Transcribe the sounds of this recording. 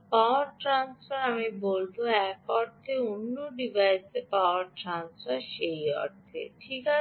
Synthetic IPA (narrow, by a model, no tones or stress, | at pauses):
pawaɾʈɾansfaɾamibolboɛkɔɾt̪ʰeunːoɖibʱajsepawʊaɾʈɾansfaɾʃejɔ̰ɾt̪ʰḛʈʰika